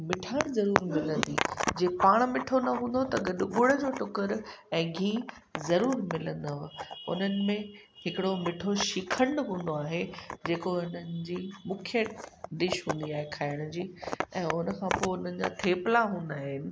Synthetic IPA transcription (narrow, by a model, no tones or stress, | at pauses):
mɪʈʰaːɪɽ̃zɐɾuːɾmɪlə̃nd̪ḭːd͡ʑeːpaːɽ̃mɪʈʰonɐɦũːnd̪ot̪ɐɡɐɗʊɡʊɽ̤əd͡ʑoːʈʊkəɾɛ̃ːɡʱĩː | zɐɾuːɾmɪlə̃nd̪oʊ̰nənɪ̆mẽ | hɪkɪɽomɪʈʰoʃɪkʰə̃ɳɖɦũːnd̪oaːɦed͡ʑeːkoɪnənɪ̆d͡ʑiːmʊ̃kʰjəʈɖɪʃɦũːnd̪iaːɦekʰaːɪɽ̃ʊd͡ʑiːɛ̃ːʊnəkʰãːpoːʊn̤ənɪ̆d͡ʑa̰ːtʰeːpɪlaɦũːnd̪aːɦɪnɪ̆